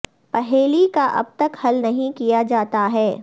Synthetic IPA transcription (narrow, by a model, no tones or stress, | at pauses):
pɐɦeːlikaʔɐ̰b̚t̪ɐkhɐlnɐɦĩkijad͡ʒaːt̪aɦɛː